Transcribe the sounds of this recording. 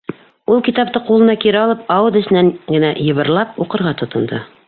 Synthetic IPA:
ulˠkit̪ɑpt̪ɤqulˠɤ̆nɑkiɾɘɒlˠɤpɑwɤd̪ɘ̆sɘ̆nænɡɘ̆næjɤ̆βɤ̆ɾlˠɑpuqɤ̆ɾʁɑt̪ŏt̪ɤ̆nd̪ɤ

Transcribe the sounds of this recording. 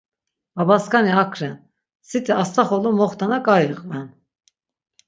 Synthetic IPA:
babaskaniakʰɾɛn | sit̪ʰʼɛast̪ʰaχɔlumɔχt̪ʰanakʼajiʁʼvɛn

